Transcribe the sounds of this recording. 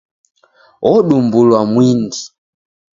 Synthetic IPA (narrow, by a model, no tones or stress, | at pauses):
ʔɔɗumbulwamwindi